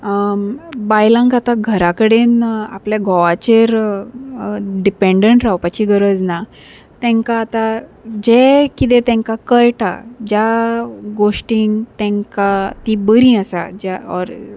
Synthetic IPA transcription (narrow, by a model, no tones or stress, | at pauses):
bajlãŋkat̪aɡʱəɾakəɽena̰pljaɡʱɔʋat͡ɕeɾ | ɖipeɳɖəɳʈɾawpat͡ɕiɡəɾəd͡zna | t̪ɛ̃ŋkaːt̪ad͡ʑekit̪̬ɛ̃t̪ɛ̃ŋkakəɭʈa̰d͡ʑjaɡoʂʈiŋɡt̪ɛ̃ŋkat̪ibəɾĩasa̰d͡ʑaɔɾ